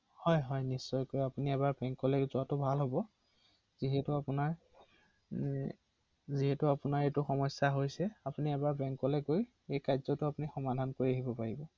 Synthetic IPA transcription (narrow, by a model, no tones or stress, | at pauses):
hɔjɦɔjnisːɔjkojapuniɛbaɹbɛŋkɔlɛkzʊatʊbʱalɦobɔ | z̥iɦɛtʊapʊnaɹ | ziɦɛtʊapʊnaɹetʊxɔmɔsːaɦojsɛapuniɛbaɹbɛŋkɔlɛkoj | ejkajzɔtʊapunixɔmadʱankoɹiaɦibɔpaɹibɔ